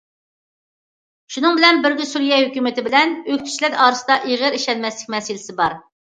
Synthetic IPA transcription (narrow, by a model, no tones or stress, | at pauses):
ʃunɨŋbɪlɛnbɪɾɡʲisuɾjɛhøkʲymɪt̪ɪbɪlɛnøkʲt̪ʰy̥t͡ʃlɛɾɑːɾɨsɨd̪ɑʔeʁəɾiʃɛlmɛslɪkʲmɛsɪlɪsɪbɑɾ